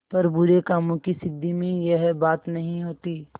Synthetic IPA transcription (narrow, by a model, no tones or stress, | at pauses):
pɐɾbʊɾekaːmõkisɪd̪ːimẽjeɦbaːt̪nɐɦĩɦoːt̪iː